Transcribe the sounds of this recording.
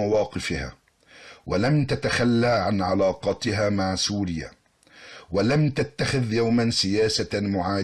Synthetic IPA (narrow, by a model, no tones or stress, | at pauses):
awɑːqɨfɪha̰ː | walamt̪at̪axalːaːʕanʕalɑːqɑt̪ɪɦaːmaʕsuːɾɪja̰ː | walamt̪at̪ːaxɪðjawmansɪjaːsamʊʕaː